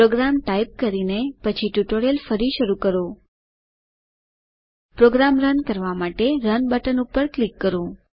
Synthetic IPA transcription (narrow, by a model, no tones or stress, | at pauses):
pɾoɡɾamʈaip̚kəɾinepət͡ʃʰiʈjuʈoɾjelfəɾiʃəɾukəɾo | pɾoɡɾamɾənkəɾʋamaʈeɾənbəʈənupəɾklikːəɾo